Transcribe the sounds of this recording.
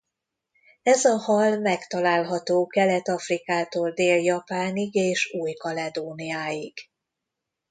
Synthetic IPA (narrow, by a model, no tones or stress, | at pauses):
ɛzɒhɒlmɛkt̪ɒlaːlɦɒt̪oːkɛlɛt̪ɒfrikaːt̪oːld̪eːljɒpaːniɡeːʃuːjkɒlɛd̪oːniaːjiɡ̥